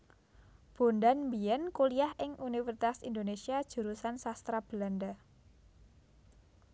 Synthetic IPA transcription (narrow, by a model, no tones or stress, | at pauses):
b̥o̤nd̪anmbiɛnkuliahʔɪŋʔunifərsit̪asind̪onesiad̥ʒ̥ṳɾusansast̪ɾab̥land̪a